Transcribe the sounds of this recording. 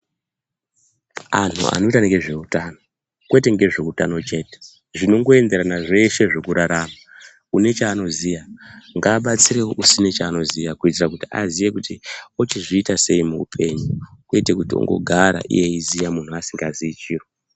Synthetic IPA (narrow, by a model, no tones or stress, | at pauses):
an̤ʰṵa̰no̞itaŋɡeʐe̞utano | kwe̞te̞ŋɡe̞ʐe̞utano̞t͡ʃe̞ːte̥ | ʐino̞ŋɡo̞e̞nde̞ɾanaʐe̞ʃe̞ʐe̞kuɾaɾama | une̞t͡ʃaːno̞zijaŋɡaːɓat͡siɾe̞woʔusinet͡ʃaːno̞zijakuitirakutia̰zije̞kutiot͡ʃiʐiːtase̞imuupʰe̞ɲukuete̞kutio̰ŋɡo̞̰ɡʱaɾa̰ʔḭje̞izijamun̤uasiŋɡaziit͡ʃiːro